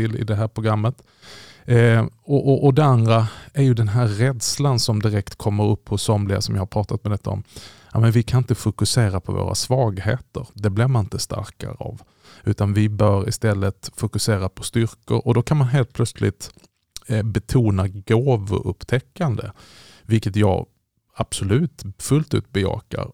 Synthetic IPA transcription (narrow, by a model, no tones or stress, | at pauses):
ɪlːɪ̰d̪ɛɦæːɾpʰɾʊɡɾamːət̪ | ɔʔɔʔɔd̪ɛand̪ɾaæɾjɵd̪ɛnɦæːɾːɛd̪slansɔmd̪ɪɾɛkt̪kʰɔmːəɾɵpːhʊsːɔmlɪa̰sɔmjɪhaɾpʰɾɑːt̪ʰat̪̚mɛd̪ɛt̪ːaɔ̰mjamɛnvɪkʰanɪnt̪əfʊkɵseːɾapʰɔvo̰ːɾʔa̰svɑːɡheːt̪ə̰ɾd̪ɛblɪɾmanɪnt̪əst̪a̰ɾka̰ɾəa̰v | ʉ̟ːt̪anvɪbœːɾɪ̰st̪ɛlːət̪fʊkɵseːɾapʰɔst̪ʏɾkə̰ɾɔd̪ɔkʰanmanɦeːlt̪̚pʰlœt̪slɪ̰t̪ | bɛt̪ʰuːnaɡoːvɔ̰ʔɵpːt̪ʰɛkːand̪ə̰ | vɪlkət̪jɑ̰ːɡ | ab̥sɔlʉ̟ːt̪fɵlt̪ʉ̟ːt̪̚bɛjɑ̰ːka̰ɾ